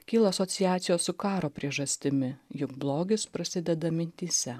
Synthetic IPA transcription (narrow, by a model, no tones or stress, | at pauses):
kʲiːlˠɐɐsot̪sʲɪjæːt̪sʲɪjoːssʊkɑːɾoːpʲɾʲiɛʒɐsʲt̪ʲɪmʲɪjʊkblˠoːɡʲɪspɾɐsʲɪd̪ʲɛd̪ɐmʲɪnʲt̪ʲiːsʲɛ